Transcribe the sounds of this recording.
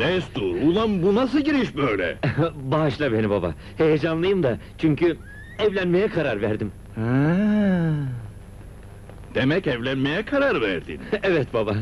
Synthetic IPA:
d̪ɛst̪uɾulˠanbunas̬ɯɟiɾiʃbøjlʲɛ̰baʃlˠabe̞nibaba̰ | he̞jed͡ʒanlˠɯjɯmd̪at͡ʃʰyɲcʰy | ɛvlʲænme̞jɛkʰaɾaɾvæɾd̪im | ha | d̪̥emɛcɛvlʲænme̞jɛkʰaɾaɾvæɾd̪ḭnevɛt̪baba

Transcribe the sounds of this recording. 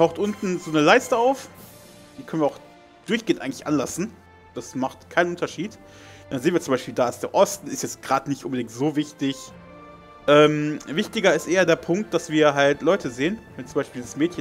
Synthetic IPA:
tʰaʊxtʔʊntn̩zoːnəlaɪstəaʊf | d̥iːkʰœnviːɐaʊx | d̥ʊɐçɡ̥eːəntʔaɪɡŋ̩lɪçʔa̰nlasn̩ | d̥asmaχtkʰaɪnənʔʊntɐʃiːt | d̥anzeːnviːɐt͡sʊmbaɪʃpiːldaːɪsd̥eːɐʔɔstn̩ɪstjɛt͡stɡ̥ʁaːdnɪçtʔʊnbədɪŋktz̥oːvɪçtɪç | ʔɛːmvɪçtɪɡɐɪstʔeːɐdeːɐpʰʊŋk̚t̚d̥asv̥iːɐɦaltlɔʏtʰəzeːənvɛnt͡sʊmbaɪʃpiːdlizəsmɛːtçə

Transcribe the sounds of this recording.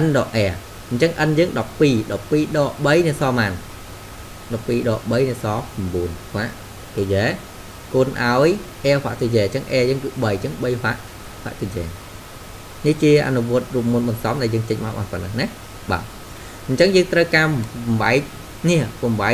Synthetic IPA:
ʔənɗɔːʔɛə | ɲt͡ɕəŋʔənjəːŋɗɑpːiːɗɑpːiːɗɑːɓəjniəsɑːmaːn | ɗɑpːiːɗɑːɓəjniəsɑːpamɓuənhʰaʔ | t̪ɨjɛː | koːnʔaɔjʔɛəpʰha̰ʔt̪ɨjɛːɲt͡ɕəŋʔɛːəjəːŋtɨɓəjt͡ɕəŋɓəjɦaʔ | hwa̰ʔt̪ɨd͡ʑɛ̰ː | niht͡ɕiəʔa̰nuʋʊ̆ət̪̚ruəp̚muənɓɑnsɑmɗaɛljəːŋt͡ɕəɲmaɔwɓa̰ːnpənəŋnɛ | ɓa̰ː | ɲt͡ɕəŋjəːŋt̪rəwkaːmʋaɛk̚ | niəkɑmʋa

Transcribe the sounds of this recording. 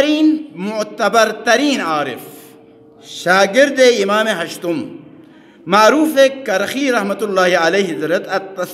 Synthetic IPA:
ɾiːnmut̪ɐbɐɾt̪ɐɾiːnaːɾḭf | ʃaːɡiɾd̪eimaːmeɦɐʃt̪um | maːɾuːfekɐɾxiːɾɐhmɐt̪ulːaːhiɐleɦizɾɐt̪ɐt̪ːɐs

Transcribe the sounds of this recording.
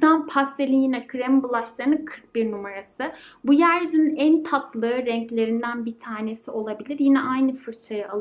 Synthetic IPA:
anpʰast̪elʲijinɛkʰɾɛmbulˠaʃlˠanɯkʰɯɾk̚biɾnumaɾasɯbujæɾzinænt̪ʰat̪lˠɯɯɾɛɲclʲe̞ɾind̪ænbit̪ʰaːne̞sio̞lˠabilʲiɾjinɛʔajnɯfɯɾt͡ʃʰajɯalˠ

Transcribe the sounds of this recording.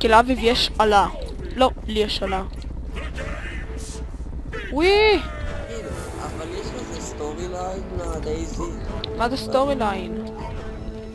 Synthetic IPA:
kilavivjeʃala | lolieʃala | wi | a̰valjeʃlezest̪oʁilajnmad̪ejzi | mazestoʁilajn

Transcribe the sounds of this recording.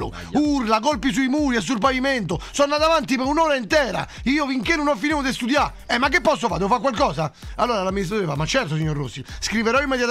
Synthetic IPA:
ʊ̰ | urlakolpisuimuːɾiɛs̬ːulpavimɛnt̪osɔnːat̪avant̪ipɛɾunɔːɾaint̪ɛːɾa̰ | iːofiŋkenunɔfːinivod̪ɪst̪ud̪ja | ɛmːak̬ːepːɔsːofaːd̪ofakwalkɔːsaalːoːɾalamːinist̪ɾat̪oːɾefamːat͡ʃːɛɾt̪os̬iɲːoɾrːosːiskɾiveɾɔimːɛd̪jat̪

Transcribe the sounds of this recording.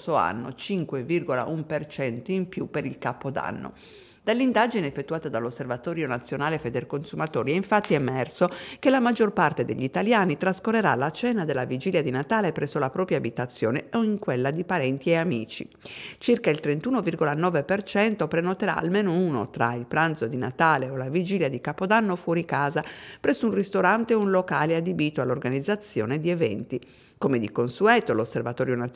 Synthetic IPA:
soa̰nːo̰t͡ʃiŋkwevirɡola̰ʔumpert͡ʃɛnt̪oimpjupːeɾilkapːod̪a̰nːo̰ | d̪̥alːind̪ad͡ʒineːfːet̪ːuaːt̪ad̪alːosːervat̪ɔːɾjonat̪sːjonaːlefed̪erkonsumat̪oːɾiɛiɱfat̪ːiɛmɛrsokelamad͡ʒːorpart̪ed̪eʎːit̪aljaːnit̪ɾaskorːeɾa̰lat͡ʃɛːnad̪elːavid͡ʒiːljad̪inat̪aːlepɾʔɛsːolapɾɔːpɾjaːbit̪at̪sːjɔːneoiŋkwelːad̪ipaɾɛnt̪ieamiːt͡ʃḭ | t͡ʃirkailt̪ɾent̪uːnovirɡolanɔːvepert͡ʃɛnt̪opɾenot̪eɾa̰a̰lmɛːnouno̰t̪ɾa̰ilpɾant̪sod̪ina̰t̪aːleolavid͡ʒiːljad̪ikapod̪anːofwɔɾikaːzapɾɛsːounrist̪oɾant̪eunlokaːliad̪ebiːt̪oalːorɡanid̪zːat̪sːjɔ̰ːned̪iɛvɛ̰nt̪i | komed̪ikonsuɛːt̪olosːervat̪ɔːɾjona

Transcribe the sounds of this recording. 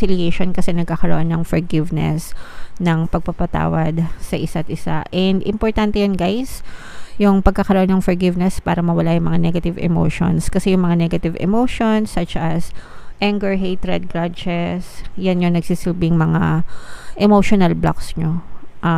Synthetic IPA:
ɪljejʃonkɐsɛnɐɡ̚kakɐɾo̰ʔonːɐŋfɛɹɡɪvnɛ̰snɐŋpɐɡ̚papɐt̪a̰ːwɐd̪̚sɐʔɪsat̪̚ʔɪsa̰ʔɛnd̪ʔɪmpoɹt̪ant̪ɛjonɡajs | jʊŋpɐɡ̚kːakɐɾoʔonːɐŋfɛɹɡɪvnɛspaːɾɐmɐwɐlajʊŋmɐŋanɛɡɐt̪ɪvɛ̰mo̰ʃo̰nskɐsɛjʊŋmɐŋanɛɡɐt̪ɪvɛ̰moʃonsːɐt͡ʃʔɐsʔɛŋɡɛɹɦejt̪ɾɛd̪̚ɡɾad͡ʒɛsjanjoŋnɐɡ̥siːsɪlbɪŋmɐŋa̰ʔɛmoʃonɐlbla̰ksɲoʔa

